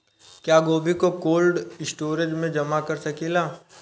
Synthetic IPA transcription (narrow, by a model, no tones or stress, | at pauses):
kjaːɡoːbikokoːlɖɪsʈoːɾed͡ʒmẽd͡ʒɐmakɐɾsɐkilaː